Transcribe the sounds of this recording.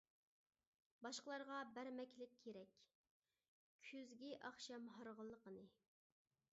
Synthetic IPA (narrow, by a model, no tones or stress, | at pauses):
bɑʃqəlˠɑɾʁɑbæɾmɛkʲʰlɪk̚ʲʰːeɾɛkʲ | kʲʰyzɡʲiʔɑχʃɛmɦɑɾʁəlˠːəqənɨ